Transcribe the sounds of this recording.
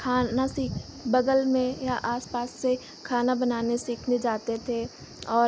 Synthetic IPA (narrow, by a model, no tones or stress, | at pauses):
kʰaːnasiːkʰ | bɐɡəlmẽjaʔaːspaːsːe | kʰaːnabɐnaːnesiːkʰned͡ʒaːt̪et̪ʰe | ɔː